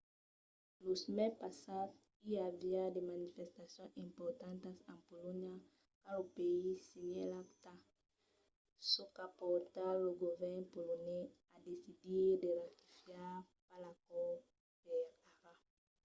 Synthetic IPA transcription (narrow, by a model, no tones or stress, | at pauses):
losmɛpasad̪ | iaviad̪emãnifest̪asjõŋĩmpoɾt̪ãnt̪asãmpolõɲja | kalopeisiɲelakt̪a | sokapoɾt̪aloɡovɛɾnpolone | ad̪esid̪iɾd̪eɾat̪i̥fjaɾ | palakɔ | peɾaʁa